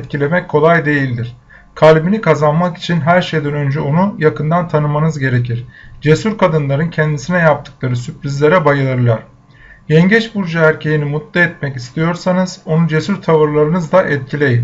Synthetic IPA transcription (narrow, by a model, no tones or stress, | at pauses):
t̪cʰilʲe̞mɛckʰːo̞lˠajd̪e̞jilʲd̪iɾ̥ | kʰalʲbinikʰazanmaki̥t͡ʃʰinɦæɾʃe̞jd̪ænø̞nd͡ʒɛo̞nujakʰɯnd̪ant̪ʰanɯmanɯzɟe̞ɾe̞cʰiɾ̥d͡ʒe̞suɾkʰad̪ɯnlˠaɾɯncʰɛnd̪isinɛjap̚t̪ʰɯ̥klˠaɾɯsypɾʲizlʲe̞ɾɛbajɯlˠaɾɯlˠaɾ̥ | jɛɲɟɛt͡ʃbuɾd͡ʒaæɾcʰe̞jinimut̪lˠaɛt̪mɛcist̪ʰijo̞ɾsanɯz̥o̞nud͡ʒe̞syɾt̪ʰavɯɾlˠaɾɯnɯzd̪aʔɛt̪̚cʰilʲe̞jim